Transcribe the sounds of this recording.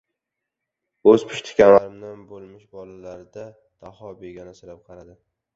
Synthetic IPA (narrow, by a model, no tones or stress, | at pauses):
ɵzpʰɪ̥ʃt̪ʰɪ̥kʲanlaɾɪmd̪anbolˠmɪʃbɒlalaɾɪd̪a | d̪̥ahɒbeɡʲanasɪɾap̚qʰɑɾad̪ɪ